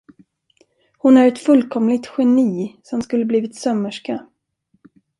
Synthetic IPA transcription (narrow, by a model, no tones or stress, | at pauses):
hʊnæɾɛt̪fɵlːkʰɔmlɪt̪ɧɛniːsɔmskɵlːəbliːvɪt̪sœmːəʂka